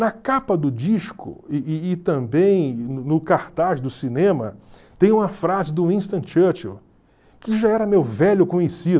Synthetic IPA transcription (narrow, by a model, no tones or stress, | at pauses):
nɐkapɐd̪ʊd͡ʒiʃkʰʊ̰ːt̪ɐ̃mbẽj̃nʊnʊkaɾt̪aʒd̪ʊsinẽmɐ | t̪ẽj̃ũmɐfɾazɪd̪ʊĩst̪ɐ̃t͡ʃɐɾt͡ʃil | kɪʒaɛɾɐmewvɛʎʊkõɲesid̪